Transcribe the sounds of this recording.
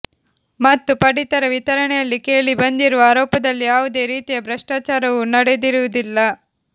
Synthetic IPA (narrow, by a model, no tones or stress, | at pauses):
mɐt̪ːupɐɽit̪ɐɾɐʋit̪ɐɾɐɳɛjɐlːike̞ːɭibɐnd̪iɾuʋɐaːɾɔːpɐd̪ɐlːijaːʋud̪e̞ːɾiːt̪ijɐbɾɐʂʈaːt͡ʃaːɾɐʋunɐɽed̪iɾuʋud̪ilːɐ